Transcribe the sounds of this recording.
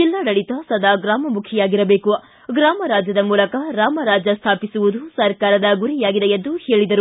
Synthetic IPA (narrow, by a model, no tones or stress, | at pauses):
d͡ʒilːɐɽɐɽit̪ɐsɐd̪ʱaːɡɾaːmɐmukʰjɐjaːɡiɾɐbe̞ːkuɐ | ɡɾaːmɐɾaːd͡ʒjɐd̪ɐmuːlɐkɐɾaːmɐɾaːd͡ʒɐst̪ʰaːpisuʋud̪usɐɾkaːɾɐd̪ɐɡuɾijaːɡid̪ejend̪uhe̞ːɭid̪ɐɾu